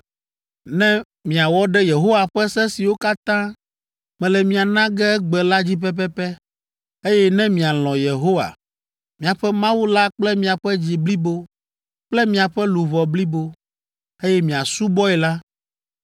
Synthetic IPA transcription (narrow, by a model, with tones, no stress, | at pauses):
nɛ̃˦ | mĩ˨a˨wɔ˦ɖɛ˦je˨ɦo˦wa˨ɸɛ˦sɛ˦si˨wo˦ka˦t̪ã˦ | mɛ̃˨lɛ˨mĩ˨a˨nã˦ɡɛ˦ɡ͡bɛ˨la˦d͡ʑi˦p̬ɛ˦p̬ɛ˦pɛ˦ | e˦jɛ˦nɛ̃˦mĩ˨a˨l̃ɔ̃˨je˨ɦo˦wa̰˨ | mĩ˨a˨ɸɛ˦mã˦wu˦la˦k͡plɛ˦mĩ˨a˨ɸɛ˦d͡ʑi˨bli˦bo˦ | k͡plɛ˦mĩ˨a˨ɸɛ˦lu˨βɔ˨bli˦bo˦ | e˦jɛ˦mĩ˨a˨su˦bɔ˦ɛ˨la˦